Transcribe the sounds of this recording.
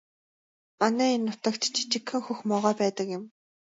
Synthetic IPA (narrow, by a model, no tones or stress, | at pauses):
manæːinːʊt̪ə̆kt̪t͡ɕʰi̥t͡ɕɪ̆kxɘ̆ŋxuxmɔʁɔːpæːt̪ə̆kjʊ̆m